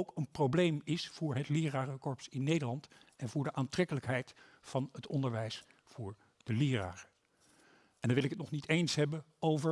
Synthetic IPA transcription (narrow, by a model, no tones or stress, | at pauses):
owkənprowblejmɪsfʊːɹɦətlɪːraːrəkɔɹpsɪnːejdəlɑntɛnvʊːɹdəʔaːntrɛkələkɦɛjt | fɑnɦətɔndəɹʋɛjs | fʊːɹ | d̥əlɪːra̰ːrə | ɛndɑnʋɪlɪkətnɔχnitejnsɦɛbən | owvə